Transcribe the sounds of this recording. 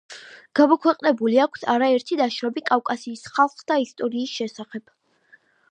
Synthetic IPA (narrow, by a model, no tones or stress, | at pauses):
ɡ̥amɔkʰwɛqʼnɛbuliakʷʰsaɾaɛɾt̪ʰid̪aʃɾɔbikʼafkʼasiːsχalˠχd̪aist̪ʼɔɾiːsʃɛsaχɛb̥